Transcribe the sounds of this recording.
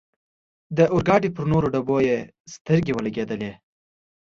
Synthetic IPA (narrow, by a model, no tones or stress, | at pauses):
d̪əʔʊɾɡɑɖipəɾnoɾoɖaboje | st̪əɾɡewəlaɡed̪əle